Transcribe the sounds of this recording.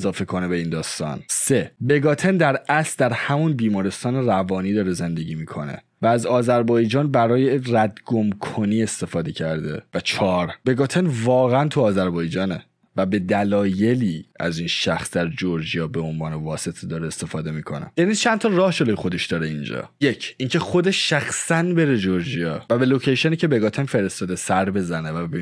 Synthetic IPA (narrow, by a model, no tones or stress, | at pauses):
zɒːfe̞kʰo̞nebe̞iːnd̪ɒːst̪ɒ̰nse̞be̞ɡɒt̪ʰe̞nd̪æɾæsd̪æɾhæmunbiːmɒːɾe̞st̪ɒːneɾævɒːniːd̪ɒːɾe̞ze̞nd̪e̞ɟiːmiːkʰo̞̰ne̞̰ | væːzɒːzæɾbɒːjd͡ʒɒːnbæɾɒːjeræd̪ɡomkʰo̞niːe̞st̪e̞fɒːd̪e̞cʰæɾd̪e̞̰væt͡ʃʰɒːɾb̥e̞ɡɒːt̪ʰenvɒːɣeænt̪ʰuɒːzæɾbɒːjd͡ʒɒːne̞̰ | væbe̞d̪ælɒːje̞liːæ̰zinʃæxsd̪æɾd͡ʒoɾd͡ʒijɒːbe̞o̞nvɒːnevɒːse̞t̪ʰed̪ɒːɾeest̪e̞fɒːd̪e̞miːkʰo̞̰nḛjænid̪t͡ʃʰænt̪ʰɒrɒːhʃolojxo̞d̪e̞ʃd̪ɒːɾeind͡ʒɒ̰ːjecʰʔiːŋcʰeχo̞d̪eʃʃæxsænbe̞ɾed͡ʒoɾd͡ʒijɒ̰ːvæbe̞lo̞cʰejʃeniːcʰe̞be̞ɡɒt̪ʰenfe̞ɾest̪ɒːd̪esæɾbe̞zænevæbe